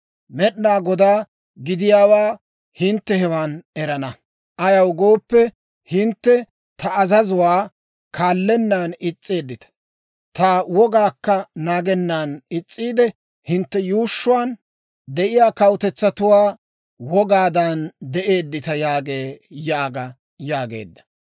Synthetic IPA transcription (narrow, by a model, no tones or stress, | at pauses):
mɛɗnaːɡɔd̪aː | ɡɪd̪ɪjaːwaː | hɪnt̪ːɛhɛwaːnɛɾɐnɐ | ʔɐjɐwɡo̞ːpːɛ | hɪnt̪ːɛ | t̪ɐɐzɐzʊwaː | kʰaːlːɛnːaːnɪt͡sʼːeːd̪ːɪt̪ɐ̥ | t̪awɔɡaːkːɐnaːɡɛnːaːnɪt͡sʼːiːd̪ɛ | hɪnt̪ːɛjuːʃːʊwaːn | d̪ɛʔɪjaːkɐwʊt̪ɛt͡sːɐt̪ʊwaː | wɔɡaːd̪ɐnd̪ɛʔeːd̪ːɪt̪ɐjaːɡeːjaːɡɐ | jaːɡḛːd̪ːɐ̥